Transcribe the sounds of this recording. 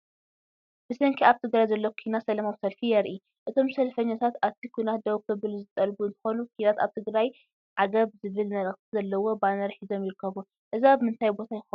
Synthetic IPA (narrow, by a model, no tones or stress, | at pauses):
b̥ɨsɐŋkʰiaβt̪ʰɨɡɾajzɐlːɐwokʰinasɐlɐmawsɐlfijɐɾʔi | ʔɨt̪ʰo̞msɐlfɐɲːat̪ʰat̪aβt̪ʰikʰujnat̪̚d̪ɐwkʰɨβɨlzɨt̪ʼɐlbuɨnt̪ʰɨ̥xo̞nukʰinat̪a̰βt̪ʰɨɡɾaj | ʕaɡɐβzɨβɨlmɐlʼɐxt̪ʰizɐlːɐwo̞banɐɾħizo̞mjɪɾɨkʰːɐβu | ʔɨziaβɨmɨnt̪ʰajbo̞t̪ʰajɪx